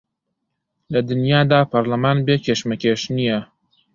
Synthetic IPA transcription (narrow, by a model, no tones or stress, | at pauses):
lɐd̪ɨnjaːd̪aːpʰɐɾlɐmaːnbekʰeʃmɐkʲʰeːʃnijɛ